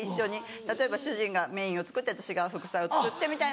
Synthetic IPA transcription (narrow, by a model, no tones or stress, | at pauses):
iɕːo̞ɲ̟i | t̪at̪o̞e̞baɕɨʑĩŋɡame̞ːĩo̞t͡sɨ̥kɯt̪ːeat̪ḁɕiɡaɸɯ̟kɯ̟̥saio̞t͡sɨkɯ̟t̪ːe̞mʲit̪ai